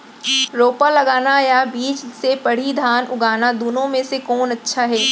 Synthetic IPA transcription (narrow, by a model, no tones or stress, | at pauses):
ɾoːpalɐɡaːnajabiːt͡ʃsepɐɽ̤id̪ʱaːnʊɡaːnad̪uːnõmẽsekɔːnɐtːʃʰaɦɛː